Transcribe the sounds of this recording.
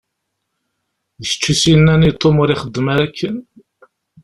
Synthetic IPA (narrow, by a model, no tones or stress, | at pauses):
ðəʃə̥t͡ʃːusinːænijt̪ˤːomʊɾiχəd̪ːəmaɾækːən